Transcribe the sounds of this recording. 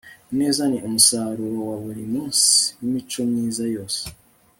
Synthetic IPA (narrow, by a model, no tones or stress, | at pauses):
ne̞ːzaniʔomusaːɾuɾowaβuɾimuːnsi̥nimit͡ʃo̞mŋiːzajoːse